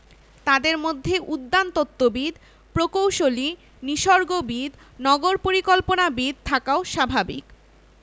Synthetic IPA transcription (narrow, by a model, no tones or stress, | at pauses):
t̪ad̪eɾmod̪ʱːeʔud̪ːant̪ot̪ːobid̪ | pɾokowʃoli | niʃɔɾɡobid̪ | nɔɡoɾpoɾikolponabid̪̚t̪ʰakaoʃabʱabḭk